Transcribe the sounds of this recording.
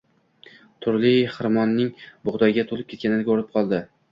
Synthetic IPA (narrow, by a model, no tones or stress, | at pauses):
t̪ʰʊɾlɪχɪɾmɒnːɪŋbʊʁd̪ɒɡʲat̪ʰolɪpkʲʰe̞t̪kʲanɪnɪɡʲoɾɪp̚qʰɒlˠd̪ɪ